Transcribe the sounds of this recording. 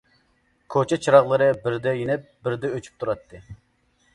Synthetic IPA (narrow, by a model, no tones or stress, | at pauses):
kʰot͡ʃʰɛt͡ʃʰɾɑʁlˠɨɾɨbɪɾd̪ɛjinɛp̚bɪɾd̪ɛøt͡ʃʰy̥p̚t̪ʰuɾɑt̪ʰːɨ